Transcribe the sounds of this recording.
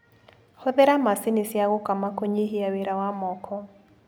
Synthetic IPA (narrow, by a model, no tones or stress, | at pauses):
hoðeɾamasɪnisjaɣʊkamakoɲiɦiaweɾawamɔkʰɔ